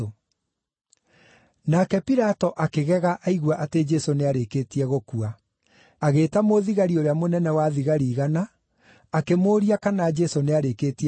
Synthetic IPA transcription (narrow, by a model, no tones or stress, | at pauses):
o | nakɛpiɾatɔʔakeɣɛɣaʔaiɣwaʔated͡ʒɛsoneaɾekeːtiɛɣokua | aɣeːtamoðiɣaɾioɾeamonɛnɛwaðiɣaɾiːɣanaː | kemoːɾiakanad͡ʒɛsoneaɾeketiɛ